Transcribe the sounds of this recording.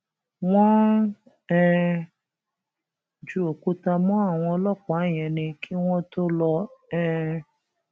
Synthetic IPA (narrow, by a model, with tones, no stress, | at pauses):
w̃ɔ̃˦ | ɛ˦ | d͡ʒu˦o˨ku˦ta˧mũ˦a˦˨w̃ɔ̃˧lɔ˦k͡pa˨˦˨j̃ɛ̃˨nĩ˧kʰi˦w̃ɔ̃˦to˦lɔ˧ɛ˦